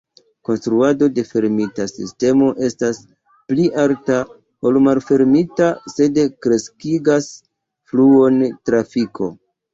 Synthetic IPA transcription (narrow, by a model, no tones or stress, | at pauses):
ko̞nstɾuado̞de̞fe̞ɾmitasḭste̞mo̞ʔe̞stas | pliʔaɾta | o̞lmalfe̞ɾmitase̞dekɾe̞skiɡas | fluo̞ntɾafikʰo̞̰